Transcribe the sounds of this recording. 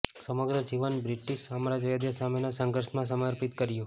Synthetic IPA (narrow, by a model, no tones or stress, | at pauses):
səməɡɾəd͡ʒiʋənbɾiʈiʃamaɾad͡ʒəjad̪jəsamenasəŋɡʱəɾʃmãs̬əməɾpit̪kəɾjũ